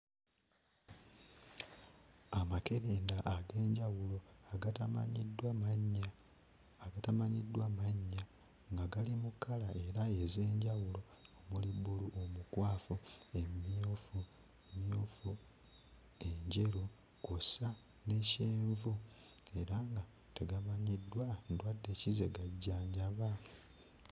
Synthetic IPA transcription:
amake̞ɾeːndaʔaɡe̞ːɲɟawulo̞a̰ɲidwaɲaː | ɡatamaɲidːwamaɲːa | ŋɡaɡalimukːalae̞ɾaeze̞ːɲɟawulo̞ | omuliβuluʔomukwaːfuemofu | emjofu | eɲɟe̞ɾu | kosa | neceːɱvu | e̞ɾaŋɡa | teɡamaɲidwandwadːe̞cize̞ɡaɟːaːɲɟaβa

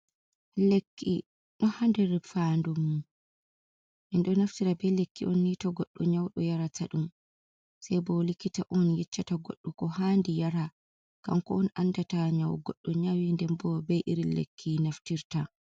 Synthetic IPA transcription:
lekʰːḭ | ɗɔhandɛɾfandumːu | ʔɛnɗɔnaftiɾabɛlekːiʔɔnːitaɡɔɗːɔɲawɗɔjaɾatʰaɗum | sajbɔlikːitaʔɔnjɛt͡ʃːataɡɔɗːukɔhandijaɾa | ka̰mkɔ̰ɔnʔanːdataɲawɡɔɗːɔɲawindɛmbɔbɛjʔiɾilḛkʰːinaftiɾta

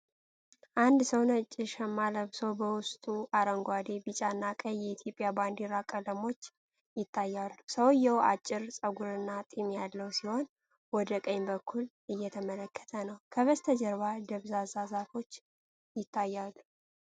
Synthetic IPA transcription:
ʔand̪səwnət͡ʃʼːɪʃɛmːaləβsobəwʊst̪ʼuʔaɾəŋɡʷad̪ebit͡ʃʼanːakʼəjːɛit̪ʰjo̞pʼjaband̪iɾakʼələmo̞t͡ʃː | jɪt̪ʰːajːalːusəwjɛwa̰t͡ʃʼːɪɾsʼəɡuɾɨnːat̪ʼimjalːəwsiho̞n | wɔd̪əkʼəɲbəkʰːul | ɨjːɛt̪ʰəmələkʰːə̥t̪ʰənəwkʰəβəst̪ʰəd͡ʒəɾβad̪əβzazazafo̞t͡ʃː | jɪt̪ʰːajːalu

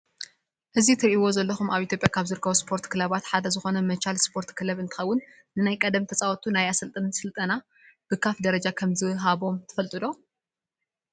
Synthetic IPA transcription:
ʔɨzit̪ʰɨɾʔiwo̞zɐlːɐxumaβʔit̪ʰʲjo̞pʼjakʰaβzɨɾɨkʰːɐβuspʰo̞ɾt̪kɨlaβat̪ħad̪ɐzɨxo̞nɐmɐt͡ʃalspʰo̞ɾt̪kʰɨlɐβɨnt̪ʰɨ̥xɐwːʊnː | ɨnajkʼɐd̪ɐmt̪ʰɐt͡sʼawɔt̪ʰunajasɐlt̪ʼɐnsɨlt̪ʼɐna | b̥ɨkʰafd̪ɐɾɐd͡ʒakʰɐmzɨɦaβo̞mt̪ʰɨ̥fɐlt̪ʼɨd̪o̞

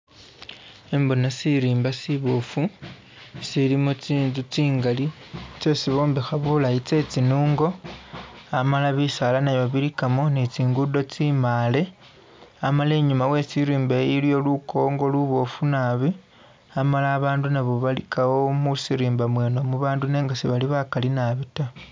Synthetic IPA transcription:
embonasiɾiːmbasiβo̞fu | silimot͡siːnzut͡siːŋɡalit͡se̞siβo̞ːmbixaβulait͡se̞t͡sinuːŋɡo̞ | amalaβisalanaβoβiɾikamonit͡siːŋɡudo̞t͡simale̞ | amale̞ːɲumawe̞t͡siɾiːmbeiljo̞lukʰo̞ŋɡo̞luβo̞funaβi | amalaːβaːndunaβo̞βalikawo̞musiɾiːmbamwe̞ːno̞muβaːndune̞ːŋɡasiβaliβakalinaβita

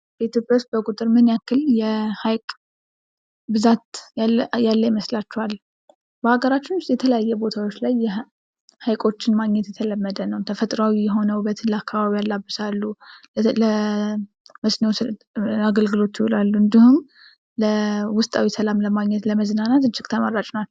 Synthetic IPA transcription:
b̥əit̪ʰjo̞pʼjawʊst̪̚bəkʼut̪ʼɨɾmɨnjakːɨljɛhajkʼ | bɨzat̪ | jalːəjɛməslat͡ʃːɛhal | bəhaɡəɾat͡ʃːɪnwʊst̪ʼjɛt̪ʰələjajːɛbo̞t̪ʰawo̞t͡ʃːlajːɛ | hajkʼo̞t͡ʃːɪnmaɡɲɛt̪jɛt̪ʰələmːəd̪ənəwt̪ʰəfət̪ʼɾawijɛɦo̞nəwbət̪ʰɨnləakːaβaβijalːabːɨsalːu | ə | məsneo | aɡəlɡɨlo̞t̪ːjɪhulalːuɨnd̪ihum | ləwʊst̪ʼawisəlamləmaɡɲɛt̪ləməznanat̪ɨnt͡ʃʰɪkʼt̪ʰəmərːat͡ʃʼnat͡ʃːu

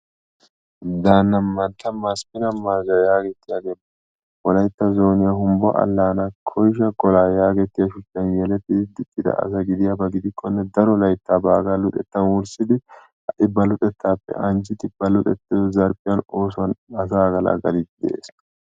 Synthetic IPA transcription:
d̪aːnːɐmːɐnt̪ːɐmaspɪnɐmːɐɾzɐjaːɡɛt̪ːɪjaɡeːm | wɔlɐjt̪ːɐzo̞ːnɪjahʊmbɔ̰ʔɐ̰lːaːnakʰɔjʃ̬ɐɡɔlaːjaːɡɛt̪ːɪjɐʃʊt͡ʃːɐnjɛlɛt̪ːɪɪd̪ɪt̪ʼːɪd̪ɐ̰ʔɐ̰s̬ɐɡɪd̪ɪjabɐɡɪd̪ɪkʰːɔnːɛd̪ɐɾɔlɐjt̪ːabaːɡalʊt̪ʼɛt̪ːɐnwʊɾsɪd̪ɪ | ɐʔɪbːɐlʊt̪ʼɛt̪ʰːaːpːɛ̰ʔɐnd͡ʒɪt̪ɪb̥ɐlʊt̪ʼɛt̪ːɪd̪ɔzɐɾpʼɪjɐno̞ːsʊɐnɐsaːɡɐla̰ɡɐlɪt̪ːɪd̪ɛ̰ʔḛːs

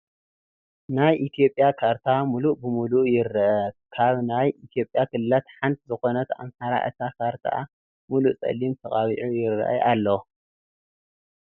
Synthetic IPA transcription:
najʔit̪ʰijo̞pʼːjakʰaɾt̪ʰamuluʔbɨmuluʔjɪɾːɐʔɐkʰaβnajit̪ʰijo̞pʼːjakɨlːat̪ħant̪ʰzɨxo̞nɐt̪a̰mħaɾa̰ʔɨ̰t̪ʰakʰaɾt̪ʰa̰ʔa̰ | muluʔt͡sʼɐ̰lːimt̪ʰɐχʼaβiʕujɪɾ̰ːʔɐ̰ʔalːo

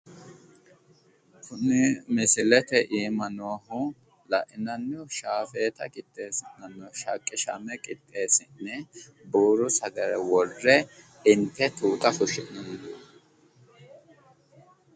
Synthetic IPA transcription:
kʰʊnːɛmɪsɪlɛt̪ɛʔiːmɐnoːhʊ | lɐʔɪnɐnːɔʃaːfeːt̪ɐkʼɪt̪ʼːe̞ːsɪnːɐnːɔʃɐkʼːɪʃɐ̰mɛkʼɪt̪ʼːe̞ːsɪnːɛ | buːɾʊsɐɡɐɾɛ̰wɔrːɛ | ɪnt̪ːɛt̪uːt̪ɐfʊʃɪʔnɐn

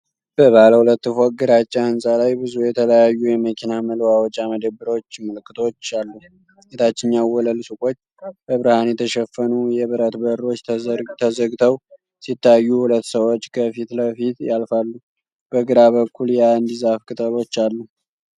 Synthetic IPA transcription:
b̥əβaləhulət̪ːɨfoɡɨɾat͡ʃʼːaɨnsʼalajbɨzujɛt̪ʰələjajːujɛməkʰinaməlwawd͡ʒaməd̪əbɨɾo̞t͡ʃːməlkːɨt̪ʰo̞t͡ʃːalːu | set̪ʰat͡ʃːɪnːawwɔləlsukʼo̞t͡ʃː | bəβɾəhanjɛt̪ʰəʃɛfːənujɛβɨɾət̪bəɾo̞t͡ʃːt̪ʰt̪ʰəzəɡt̪ʰəw | sit̪ːajːuhulət̪ːsəwo̞t͡ʃːkʰəfit̪ləfit̪jalfalːu | b̥əɡɨɾaβəkʰːuljɛand̪izafkʰʼɨt̪ʼəlo̞t͡ʃːalːu

